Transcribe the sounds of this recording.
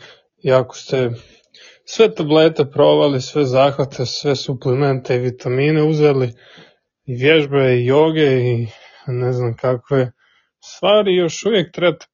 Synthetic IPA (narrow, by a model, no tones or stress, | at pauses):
iako̥st̪e | sʋe̞t̪ableːt̪e̞pɾo̞ʋalisʋe̞zaːxʋat̪ʰe̞sʋesupliment̪eiʋit̪ʰamiːneuzeli | iʋjeʒbeijoːɡe̞i | neznamkakʋe | st̪ʋaːɾijo̞ʃuʋjek̚t̪ɾebat̪